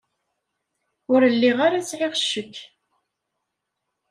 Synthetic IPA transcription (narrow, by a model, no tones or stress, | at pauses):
ʊɾəlːiʁaɾasʕɪʁʃːəkː